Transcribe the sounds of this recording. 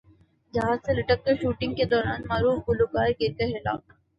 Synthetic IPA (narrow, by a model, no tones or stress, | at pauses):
d͡ʒɐɦãselɐʈək̚k̪əɾʃuːʈɪ̃ŋɡked̪ɔːɾaːnmaːɾuːfbʊlokaːɾkek̪ɛɦela̰ːk